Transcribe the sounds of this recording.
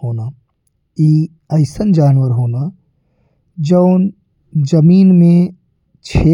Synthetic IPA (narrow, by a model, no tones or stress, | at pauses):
ɦoːna | iː | ɐɪsənd͡ʒaːnʋəɾɦoːna | d͡ʒəʊn | d͡ʒɐmiːnmẽ | t͡ʃʰeː